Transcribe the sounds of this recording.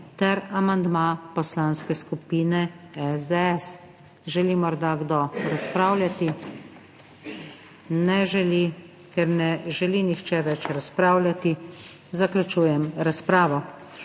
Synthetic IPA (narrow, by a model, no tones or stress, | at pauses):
t̪ɛɾamand̪mapɔslaːnskɛskupiːnɛɛzd̪ɛɛs | ʒɛlimɔɾd̪aɡd̪ɔɾaspɾaːwlʲjat̪i | nɛʒɛli | kɛɾnɛʒɛlinixt͡ʃɛʋɛt͡ʃɾaspɾaːwlʲjat̪i | zaklʲut͡ʃuːjɛmɾaspɾaːʋɔ